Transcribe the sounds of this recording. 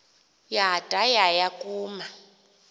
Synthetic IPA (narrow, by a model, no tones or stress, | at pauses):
jatʼajajakʼuːma